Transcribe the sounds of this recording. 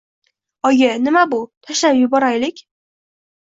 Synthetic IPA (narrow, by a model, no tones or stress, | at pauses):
ɒɡʲanɪmabʊt̪ʰaʃlapjʊbɒɾajlɪkʲ